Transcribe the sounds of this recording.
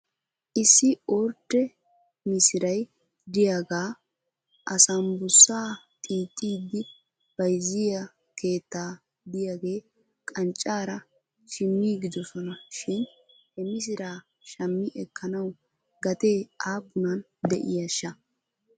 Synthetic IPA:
ʔɪsːɪʔoːɾt̪ːɛ | mɪsɪɾɐj | d̪ɪjaɡaː | ʔɐsɐmbʊsːaː | t̪ʼiːt̪ʼːiːd̪ːɪ | b̥ɐjzːɪjɐ | ke̞ːt̪ːaː | d̪ɪjaːɡe̞ː | kʼɐnt͡ʃʼːaːɾɐ | ʃɪmːiːɡɪd̪ɔsɔnɐʃɪn | hɛmɪs̬ɪɾaː | ʃɐmːɪʔɛkʰːɐnɐw | ɡɐt̪e̞ːaːpːʊnɐn | d̪ɛʔɪjɐʃːɐ

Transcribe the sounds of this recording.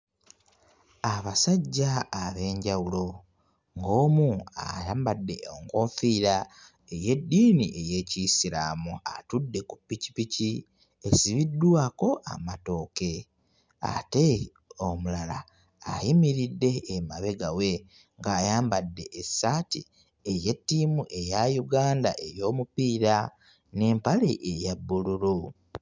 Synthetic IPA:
aβasaɟːaːβe̞ːɲɟawulo̞ | ŋɡo̞ːmuajaːmbadːe̞oŋkofiːɾa | eje̞dːiːniʔe̞je̞cisiɾamuatudːe̞kupːici̥pici | esiβidːwaːko̞ʔa̰mato̞ːke̞ | a̰te̞ | omulalaː | himiɾidːe̞ːmaβe̞ɡawe̞ | ŋɡaːjaːmbadːe̞ʔesaːti | eje̞tːimuʔe̞jajuɡaːndaʔe̞jo̞ːmupiːɾa | ne̞ːmpaleʔejabːululu

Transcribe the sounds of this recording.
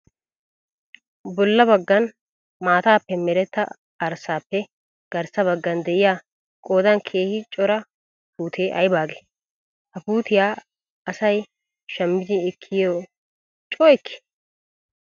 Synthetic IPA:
bɔlːɐbɐɡːɐn | maːt̪aːpːɛmɛɾɛt̪ːɐ̰ː | ɾsaːpːɛ | ɡ̥ɐɾsɐβɐɡːɐnd̪ɛʔɪjaː | kʼo̞ːd̪ɐnkʰe̞ːhɪt͡ʃʼɔɾɐ | puːt̪ʰeːʔɐjbaːɡe | hɐpuːt̪ɪjaː | ɐsɐj | ʃɐmːɪd̪ɪɛkʰːɪjoː | t͡ʃʼɔːjkːɪ̥

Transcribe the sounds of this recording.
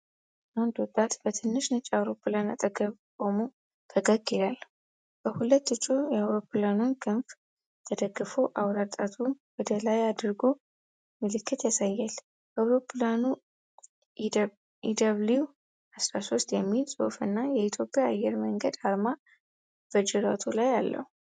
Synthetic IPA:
ʔand̪wɔt̪ʼːat̪b̥ət̪ʰɨnːɨʃnɨt͡ʃʼːawɾo̞pʰːɨlana̰t̪ʼəɡəβkʼo̞mu | t̪ʰəɡəɡelal | b̥əhulət̪ːɨt͡ʃʼːujɛawɾo̞pʰlanunkʰɨnf | t̪ʰəd̪əɡːɨfoʔawɾat̪ʼat̪ʰuwɔd̪əlajad̪ɨɾɡo̞ | mɨlɨkʰːɨt̪jasajːal | awɾoplanu | id̪əβliw | asɾaso̞st̪jɛmːilsʼo̰fɨnːajɛit̪ʰjo̞pʼːjaːjːɛɾməŋɡəd̪aɾma | b̥əd͡ʒɪɾat̪ʰulajalːə̰hu

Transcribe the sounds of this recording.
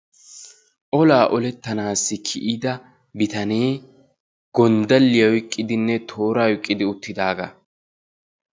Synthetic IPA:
ʔɔlaːʔɔlɛt̪ːɐnaːsːɪkʰɪʔid̪ɐ | bɪt̪ɐne̞ː | ɡ̥ɔnd̪ɐlːɪjɐwkʼːɪd̪ɪnːɛt̪ʰo̞ːɾaːwɪkʼːɪd̪ɪʊt̪ːɪd̪aːɡɐ̰

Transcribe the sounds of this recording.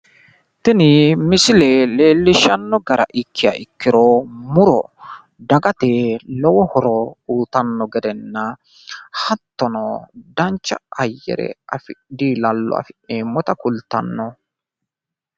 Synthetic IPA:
t̪ɪnɪmɪsɪlele̞ːlːɪʃɐnːɔɡɐɾɐ̰ʔɪkʰːɪjaʔɪkːɪɾomʊɾɔ̰ | d̪ɐɡɐt̪eːlɔwɔhɔɾɔuːt̪ɐnːɔɡɛd̪ɛnːɐ | hɐt̪ːɔnɔd̪ɐnt͡ʃːɐɐjːɛ̰ɾɛ̰ɐfɪd̪iːlɐlːɔ̰ɐ̰fɪeːmːɔt̪ɐkʊlt̪ɐ̰nːɔ

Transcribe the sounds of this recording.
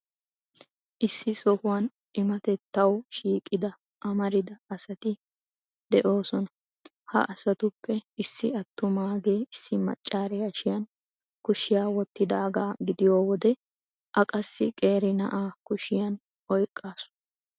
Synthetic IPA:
ʔɪsːɪsɔhʊwɐn | ʔɪmɐt̪ɛt̪ːɐwʃiːkʼːɪd̪ɐ | ʔɐmɐɾɪd̪ɐːsɐt̪ɪ | d̪ɛʔo̞ːsɔnɐ | hɐ̰ʔɐsɐt̪ʊpːɛɪsːɪɐt̪ːʊmaːɡe̞ːɪsːɪmɐ̰t͡ʃʼːaːɾɛjɐʃɪjɐn | kʊʃɪjaːwɔt̪ːɪd̪aːɡaːɡɪd̪ɪjoːwɔd̪ɛ | ʔɐkʼɐsːɪkʼe̞ːɾɪnɐ̰ʔaːkʊʃɪjɐn | ʔɔjkʼːaːsʊ̥nɐ

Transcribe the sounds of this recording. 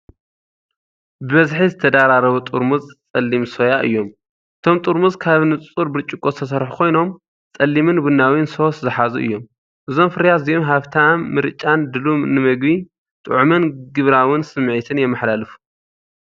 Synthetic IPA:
bɨβɐzħizɨt̪ʰɐd̪aɾaɾɐβut̪ʼuɾmuzt͡sʼɐlːimso̞jaʔɨ̰jːo̞m | ʔɨt̪ʰo̞mt̪ʼuɾmuzkʰaβnɨt͡sʼuɾbɨɾt͡ʃʼːukʼot̪ʰɐsɐɾħukʰo̞jno̞m | t͡sʼɐlːimɨnbɨnːawinso̞szɨħazuʔɨ̰jːo̞m | ʔɨzo̞mfɨɾjazijomɦaβt̪ʰanmɨɾt͡ʃʼːand̪ɨlumnɨmɐɡbi | t̪ʼɨ̰ʕmɐnɡɨβɾawɨnsɨmːʕit̪ʰɨnjɛmːɐħlalɨfu̥

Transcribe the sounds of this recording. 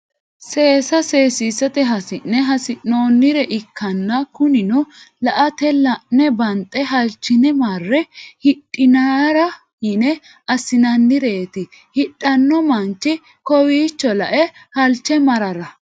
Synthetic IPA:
se̞ːsɐseːsiːsːɐt̪ɛɦɐsɪnːɛɦɐsɪnoːnːɪɾɛʔɪkʰːɐnːɐkʊnɪnɔlɐʔɐt̪ɛlɐnːɛbɐnt̪ʼɛɦɐlt͡ʃːɪnɛmɐrːɛhɪɗʼːɪnaɾɐ | hɪnɛ | ɐsɪnɐnːɪɾeːt̪ɪ | hɪɗʼːɐnːɔmɐnt͡ʃːɪ | kɔwiːt͡ʃːɔlɐʔɛhɐlt͡ʃːɛmɐɾɐɾɐ

